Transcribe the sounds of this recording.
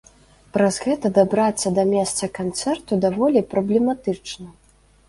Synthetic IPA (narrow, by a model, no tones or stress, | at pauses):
pɾɐzɣɛt̪ɐd̪abɾat̪sːɐd̪ɐmʲɛst̪sɐkant̪sɛrt̪ud̪avɔlʲipɾɐblʲɛmat̪ɨt͡ʂnɐ